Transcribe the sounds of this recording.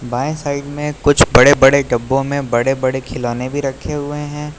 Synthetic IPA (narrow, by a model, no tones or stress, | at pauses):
baːɪ̃saːɪɖmẽkʊt͡ʃʰbɐɽebɐɽeɖɐbːõmẽbɐɽebɐɽekʰɪlɔːnebʱiɾɐkʰːeɦʊeɦɛ̃ː